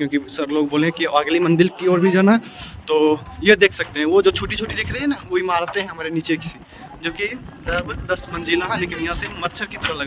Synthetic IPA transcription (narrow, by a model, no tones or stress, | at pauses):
kjõːkisɐbloːɡboːlẽkiaɡlimə̃nd̪ɪlkioːɾbʱid͡ʒaːna | t̪oːjed̪eːkʰsɐk̚t̪eɦɛ̃ʋod͡ʒoːt͡ʃʰoːʈit͡ʃʰoːʈid̪eːkʰɾəɦɛ̃naʋoɦimaːɾt̪eɦɛ̃ɦɐmaːɾeniːt͡ʃekɪ̥si | d͡ʒoːki | d̪əbd̪ɐsmɐ̃nd͡ʒilãɦɛ̃leːkɪnjɐɦãsemɐt̪ːʃʰəɾkit̪ɐɾəɦlɐɡa